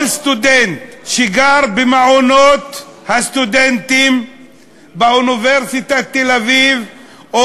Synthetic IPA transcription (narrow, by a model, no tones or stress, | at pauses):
lst̪ud̪ent̪ʃiɡaʁbemaʕonot̪hast̪ud̪ent̪im | beuniveʁsit̪at̪ːelaviv | o